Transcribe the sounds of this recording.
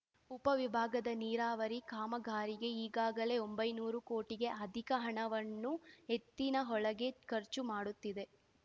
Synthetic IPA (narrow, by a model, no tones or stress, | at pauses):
upɐʋibʱaːɡɐd̪ɐniːɾaːʋɐɾikaːmɐɡʱaːɾiɡe̞iːɡaːɡɐle̞ombɐjnuːɾukoːʈiɡe̞ʔɐd̪ʱikɐɦɐɳɐʋɐnːuɦe̞t̪ːinɐɦɔɭɐɡe̞kɐɾt͡ʃumaːɽut̪ːid̪e̞